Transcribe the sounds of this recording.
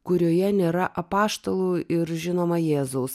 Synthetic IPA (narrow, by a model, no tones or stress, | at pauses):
kʊɾʲoːjɛnʲeːɾɐʔɐpɑːʃt̪olˠuːɪɾʒʲɪnoːmɐjeːzɐʊs